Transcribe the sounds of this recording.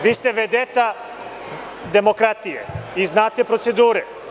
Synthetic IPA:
ʋiːst̪eʋed̪et̪a | d̪emokɾat̪ijḛiznaːt̪epɾot̪sed̪uːɾɛ

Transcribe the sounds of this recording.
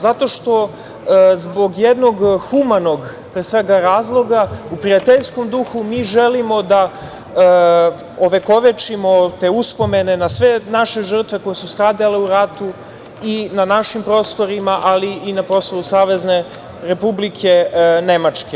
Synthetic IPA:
zat̪o̞ʃt̪o̞ | zbo̞ɡjed̪no̞ɡxumano̞ɡ | pɾesʋe̞ɡaɾaːzlˠo̞ɡaupɾijat̪eʎsko̞md̪uxumiːʒelimo̞d̪a | oʋeko̞ʋet͡ʃimo̞t̪e̞ːuspo̞me̞ne̞nasʋe̞naʃe̞ʐr̩t̪ʋeko̞jesust̪ɾaːd̪ale̞uɾat̪u | inanaʃimpɾo̞ːst̪o̞ɾimaʔaliːnapɾo̞st̪ousaːʋe̞zne̞ | ɾepublikʰe̞ne̞mat͡ʂke

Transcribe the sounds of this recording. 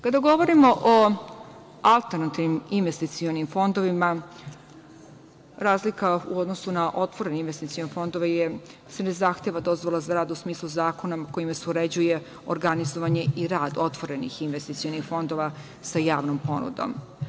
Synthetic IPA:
kad̪aɡo̞ʋo̞ɾimo̞ʔo | alˠt̪eɾnat̪ivniminʋest̪it̪sio̞nimfo̞nd̪o̞ʋima | ɾaːzlikauo̞d̪no̞sunaʔo̞t̪ʋo̞ɾe̞ninʋest̪it̪sionfo̞nd̪oʋeje | snezaːxt̪eʋad̪o̞zʋolˠazaɾaːd̪usmiːslˠuzaːko̞naoko̞imaseuɾe̞d͡ʑuje̞ | oɾɡanizoʋaɲe̞ʔiɾaːd̪o̞t̪ʋo̞ɾe̞nḭxinʋest̪it̪sio̞nixfo̞nd̪o̞ʋa | sajaːʋnompo̞nṵd̪o̰m

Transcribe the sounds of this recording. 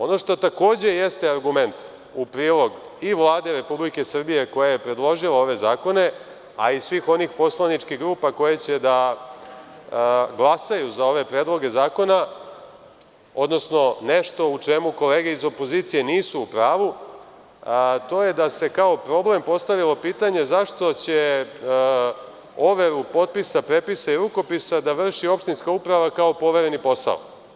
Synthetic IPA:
o̞no̞ʂt̪o̞t̪ako̞ːd͡ʑe̞je̞st̪eaɾɡume̞nt̪ | upɾiːlˠo̞ɡ | iʋlˠaːd̪e̞ɾe̞publike̞sr̩bije̞ko̞jajepɾe̞d̪lˠo̞ʒilao̞ʋe̞zaːko̞ne̞ | aisʋiːxo̞nixpo̞slˠanit͡ʃkiɣɡɾuːpako̞jet͡ɕe̞d̪a | ɡlˠasajuzao̞ʋe̞pɾeːd̪lˠo̞ɡe̞zaːko̞na | o̞d̪no̞sno̞ne̞ʃt̪o̞ut͡ʂemuko̞le̞ːɡeizo̞poziːt̪sije̞niːsuːpɾaːʋu | t̪o̞ːje̞d̪ase̞kao̞pɾo̞ble̞mpo̞st̪aʋilo̞piːt̪aɲe̞zaʃt̪o̞t͡ɕe | o̞ʋeɾupo̞t̪̚pisapɾe̞pisaiɾuko̞pisad̪aʋr̩ʃio̞pʃt̪inskaupɾaʋakao̞po̞ʋeɾe̞nipo̞sa̰o̰

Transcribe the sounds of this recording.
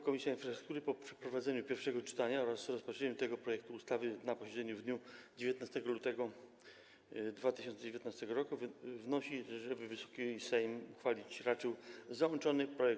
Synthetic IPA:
kɔmʲisʲjainfɾasɾuk̚t̪uɾɘpɔpʂɛ̥pɾɔvad̪zɛɲupʲjɛɾfʂɛɡɔt͡ʂɘ̥t̪aɲaɔɾasɾɔspatt͡ʂɛɲut̪ɛɡɔpɾɔjɛk̚t̪uːst̪avɘnapɔɕɛd̪zɛɲuvd̪ɲud͡ʑevʲjet̪nast̪ɛɡɔlut̪ɛɡɔ | d̪vat̪ɘɕɔnt̪ɛd͡ʑevjet̪nast̪ɛɡɔɾɔkuvvnɔɕiʐɛbɘvɘsɔ̥kʲisɛjmuxfalʲit͡ɕɾat͡ʂɛwzawɔnt͡ʂɔnɘpɾɔjɛk

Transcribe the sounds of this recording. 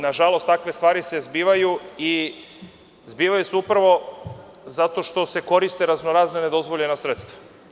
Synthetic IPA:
naʒalo̞st̪akʋe̞st̪ʋaːɾise̞zbiːʋajui | zbiːʋajuseupɾaʋo̞ | zat̪o̞ʃt̪o̞se̞ko̞ɾist̪eɾaznoɾaːznene̞d̪o̞zʋo̞ʎe̞nasɾet̪st̪ʋa

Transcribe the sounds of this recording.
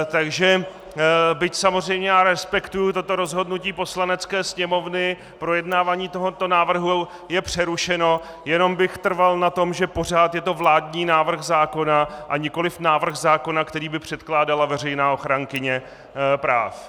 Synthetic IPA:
t̪aɡʒɛ | bɪcsamozr̝ɛjmɲɛjaːɾɛspɛkt̪ujʊt̪o̞t̪o̞ɾo̞zɦo̞dnuciːpo̞slanɛt͡skɛːsɲɛmo̞vnɪ | pɾo̞jɛdnaːvaːɲiːt̪o̞ɦot̪onaːvr̩ɦu | jɛpr̝̥ɛɾuʃɛno̞ | jɛno̞mbɪxt̪r̩valnat̪o̞mʒɛpo̞r̝aːt̪jɛt̪o̞vlaːdɲiːnaːvr̩xzaːko̞naʔaɲɪko̞lɪfnaːvr̩xzaːko̞nakt̪ɛɾiːbɪpr̝̥ɛt̪klaːdalavɛr̝ɛjnaːo̞xɾaŋkɪɲɛ | pɾa̰ːf

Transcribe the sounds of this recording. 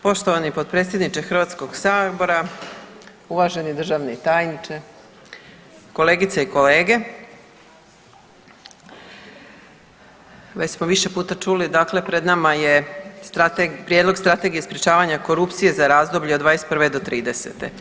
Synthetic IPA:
po̞ʃt̪oʋanipo̞d̪̚pɾet̪sje̞d̪nit͡ʃexr̩ʋat̪sko̞ɡsaːbo̞ɾa | uʋaʒe̞nid̪r̩ʒaʋnet̪aːjnit͡ʃe | ko̞leːɡit̪seiko̞leːɡe̞ | ʋet͡ɕsmoʋiʃe̞puːt̪at͡ʂulid̪akle̞pɾe̞d̪namajest̪ɾat̪epɾije̞d̪lˠo̞ɡst̪ɾat̪e̞ɡije̞spɾet͡ʃaːʋaɲako̞ɾupt̪sije̞zaɾaːzd̪o̞bʎeod̪ʋaːjest̪pr̩ʋed̪o̞t̪ɾiːd̪e̞sḛt̪ḛ

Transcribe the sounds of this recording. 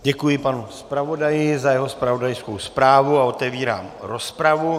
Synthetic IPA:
ɟɛkujɪpanuspɾavo̞dajɪzajɛɦo̞spɾavo̞dajskowspɾaːvuao̞t̪ɛviːɾa̰ːmɾo̞spɾavu

